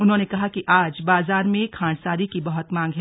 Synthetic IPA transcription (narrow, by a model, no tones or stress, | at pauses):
ʊnɦõːnekɐɦakiʔaːd͡ʒbaːzaːɾmẽkʰãːɳ̃saːɾikibɐɦʊt̪mãːŋɡɦɛ